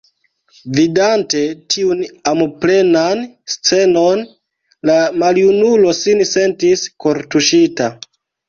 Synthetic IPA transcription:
vidante̞tʰiunamople̞nanst͡se̞no̞n | lamaljunulo̞sinse̞ntisko̞ɾtuʃita

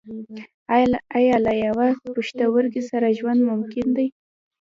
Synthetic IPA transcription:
aajɑlajawapuʃt̪awəɾɡisaɾaʒwand̪mʊmkɪnd̪aj

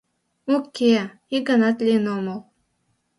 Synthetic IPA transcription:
okʲːe | iɡɑnɑt̪lʲiənoməl

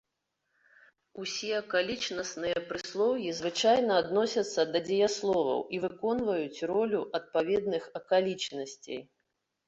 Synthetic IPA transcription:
usʲiɐkalʲit͡ʂnɐsnɨjɐpɾɨslˠɔwjizvɨt͡ʂajnɐːd̪nɔsʲɐt̪sːɐd̪ɐd͡zʲɛjaslˠɔvɐ̰wivɨkɔnvɐjut͡sʲrɔlʲuʔɐt̪̚pavʲɛd̪nɨxɐkalʲit͡ʂnɐsʲt͡sʲḛj

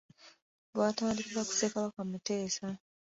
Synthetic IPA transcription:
βwaːtaːndikiβaku̥sekaβakwamite̞ːsa

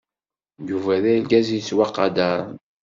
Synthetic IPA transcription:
juvæðæjlɡæziswɑqːɑd̪aɾˤ

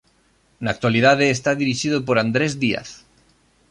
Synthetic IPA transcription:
naːk̚t̪waliðað̞eːst̪aðiɾiʃið̞opoɾand̪ɾezðia̰θ

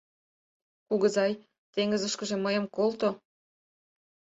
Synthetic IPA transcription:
kuɣə̆zɑj | t̪eŋəzəʃkə̆ʒĕməjəmkolt̪o

